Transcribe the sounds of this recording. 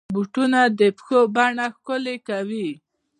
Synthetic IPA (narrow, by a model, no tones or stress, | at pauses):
buʈunad̪əpxobaɳaxkʊlekawi